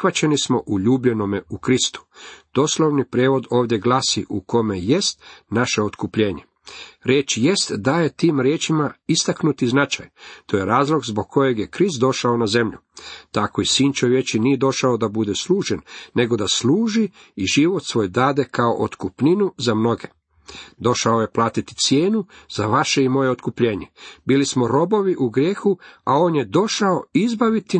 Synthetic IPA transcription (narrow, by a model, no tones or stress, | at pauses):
ʋat͡ɕenismo̞ʔuʎuːbʎe̞no̞meukɾist̪u̥d̪̥o̞slˠo̞ʋnipɾeːʋo̞d̪o̞ːʋd̪je̞ɡlasiʔuko̞me̞je̞st̪naʃe̞ot̪kupʎe̞ːɲe̞ | ɾe̞ːt͡ʃjest̪d̪aje̞t̪iːmɾjeːt͡ʃimaist̪aknut̪iznat͡ʃa̰jt̪oːjeɾaːzlˠo̞ɡzboɡ̚kʰːo̞je̞ɡje̞kɾist̪̚d̪o̞ʃaonaze̞mʎṵt̪ako̞isiːnt͡ʃoʋje̞t͡ʃinijed̪o̞ʃaod̪abud̪eslˠuːʒenːe̞ɡo̞d̪asluːʒi | iʒiʋo̞t̪sʋo̞ːjd̪aːd̪e̞kao̞̰ʔot̪kupninuzamno̞ɡe̞ | d̪o̞ʃao̞je̞plˠaːt̪it̪i̥t̪sjeːnuzaʋaʃe̞imo̞je̞ot̪kupʎe̞ːɲe̞biːlismo̞ɾo̞bo̞ʋiʔuɡɾje̞ːxuao̞ːnjed̪o̞ʃao̞izbaʋit̪i